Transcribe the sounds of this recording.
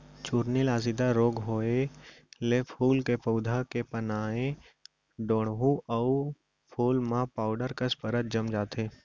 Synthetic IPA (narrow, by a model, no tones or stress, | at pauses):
t͡ʃuɾnɪlaːzɪd̪aɾoːɡɦoːelepʰuːlkepəʊd̪ʱakepənaːẽ | ɖoːɽɦũəʊ | pʰoːlmãpaːʊɖəɾkəspəɾət̪̚d͡ʒəmd͡ʒaːt̪ʰeː